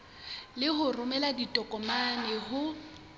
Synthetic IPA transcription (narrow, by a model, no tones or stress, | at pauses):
lɪɦʊrʊmɛladitʼɔkʼɔmanɛɦʊ